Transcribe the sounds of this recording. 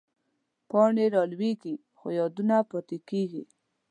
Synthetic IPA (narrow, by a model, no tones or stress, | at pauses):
pɑɳeɾɑlweɡi | xo̰jɑd̪unapɔt̪ekeɡḭ